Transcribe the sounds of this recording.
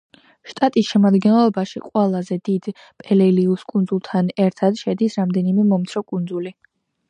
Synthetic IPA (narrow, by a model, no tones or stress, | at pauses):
ʃt̪ʼat̪ʼisʃɛmad̪ɡɛnlˠɔbaʃḭqʼwɛlˠazɛd̪id̪̥ | pʼɛlɛliuskʼund̪zulˠt̪ʰanɛɾt̪ʰad̪̥ʃɛd̪isɾamd̪ɛnimɛmɔmt̪sʰɾɔkʼund̪zuli